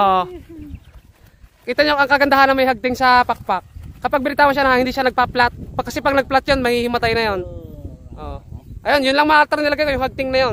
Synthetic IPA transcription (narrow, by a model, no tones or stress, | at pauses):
ʔoʔ | kiːt̪ɐɲokʔɐŋkɐɡɐnd̪ɐɦanɐŋmɐjɦaɡ̚t̪ɪŋsɐpak̚pak̚ːɐpaɡ̚bɪnɪt̪aːwoʃanɐhahɪnd̪iːʃanɐɡ̚paplat̪̚kːɐsɛpɐɡnɐɡ̚plat̪̚jonmɐhihɪmɐt̪ajnɐjo̞nʔoʔoʔɐjo̞njʊnlɐŋmɐŋaʔalt̪ɛɾnɪlɐɡajkojʊŋhaɡ̚t̪ɪŋnɐjo